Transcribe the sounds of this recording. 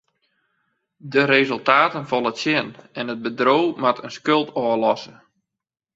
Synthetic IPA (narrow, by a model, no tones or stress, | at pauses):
dəɾezəlˠtaːtənfɔlˠətsjɪnɛnəd̚bədrowmatʰənskølˠtɔːəlɔsə